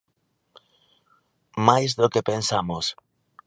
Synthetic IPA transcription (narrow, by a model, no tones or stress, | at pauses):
majzðokepensamʊs